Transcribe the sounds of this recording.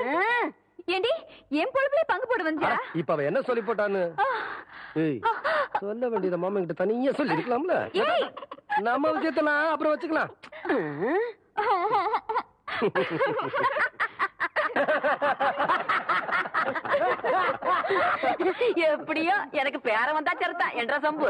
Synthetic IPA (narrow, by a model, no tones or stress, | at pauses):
eːɳɖiɛːmpɔɻɯpɐleːpɐŋɡɯpoːɽɯʋɐɲd͡ʒɐɽɐ̃ɪpːoːɐʋɐ̃ɛnːɐsɔlːip̬oːʈ̬ːaːnːɯ | e | sɔlːɐʋeːɳɖiɐnɐmaːmɐ̃kɪʈːɯt̪ɐnɪjɐ̃sɔlːɪɾɯkːɐlaːmɐlɐ̰eːnɐmːɐʋɪʂɐjɐt̪̬ːɐlãːɐpːɯɾɔ̃ːʋɐt͡ʃːɯkːɐlãː | ɛpːɐɽɪjoːɛnɐk̬ːɯpeːɾɐ̃ʋɐnd̪aːt͡ʃɐɾɯt̪ːã̰ːʔɛndrɾɐsɐmbɯ